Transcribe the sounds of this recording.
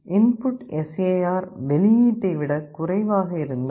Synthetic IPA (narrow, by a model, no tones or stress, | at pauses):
ʔɪnpʊʈːɛseːjaːɾʋɛlɪjiːʈːɐɪʋɪɽɐkʊrɐɪʋaːɣɐɪɾɯnd̪ɐ